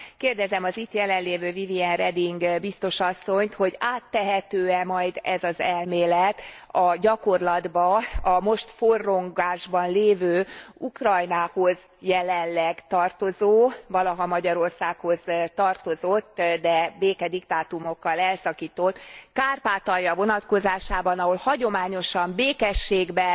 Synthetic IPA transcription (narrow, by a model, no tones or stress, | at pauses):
keːrd̪ɛzɛmɒzit̪jɛlɛnleːvøːviviɛnrɛd̪iŋɡbist̪o̞ʃɒsːo̞ɲt̪ho̞ɟaːt̪ːɛɦɛt̪øːɛmɒjd̪ɛzɒzɛlmeːlɛt̪ɒɟɒko̞rlɒd̪bɒɒmo̞ʃt̪forːo̞ŋɡaːʒbɒnleːvøːukrɒjnaːho̞z | jɛlɛnlɛɡt̪ɒrt̪o̞zoːvɒlɒɦɒmɒɟɒɾo̞rsaːkho̞zt̪ɒrt̪o̞zo̞t̪ːd̪ɛbeːkɛd̪ikt̪aːt̪umokːɒlɛlsɒkiːt̪o̞t̪kaːrpaːt̪ɒjɒvo̞nɒt̪ko̞zaːʃaːbɒnɒɦo̞lhɒɟo̞maːɲo̞ʃɒmbeːkɛʃːeːɡbɛ